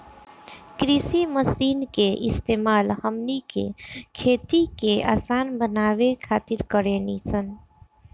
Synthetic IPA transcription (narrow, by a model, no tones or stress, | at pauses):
kɾisiməsiːnkeʔɪst̪eːmaːlhəmnikḛkʰeːt̪ikea̰ːsaːnbənaːwekʰaːt̪ɪɾkəɾeniːsən